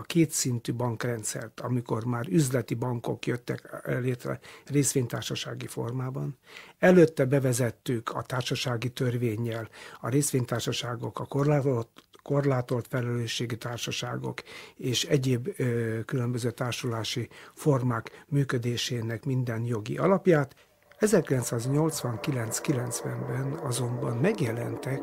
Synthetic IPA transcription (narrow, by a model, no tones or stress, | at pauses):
keːt̪sint̪ybɒŋkrɛnt̪sɛ̰rt̪ʰɒmiko̞rmaːɾyzlɛt̪ibɒŋko̞̰kjøt̪ːɛ̰kɛleːt̪rɛ̰reːsʋeːɲt̪aːrʃɒʃa̰ːɡifo̞̰rmaːbɒnɛløt̪ːɛbɛvɛzɛt̪ːykʰɒ̰t̪aːrʃɒʃaːɡit̪ørveːɲːɛlɒɾeːsʋeːɲt̪aːrʃɒʃaːɡo̞kɒkor | ko̞rlaːt̪o̞lt̪fɛlɛløːʃːeːɡit̪aːrʃɒʃaːɡo̞̰keːʃɛɟeːbkylø̞mbøzøːt̪aːrʃulaːʃifo̞rmaːkmyːkød̪eːʃeːnɛkmind̪ɛnjo̞ɡḭʔɒlɒpjaːt̪ | ɛzɛrkilɛnt̪saːzɲo̞lt̪sʋɒŋkilɛnt̪skilɛnt̪sʋɛmbɛnɒzo̞mbɒnmɛɡjɛlɛ̰nt̪ɛk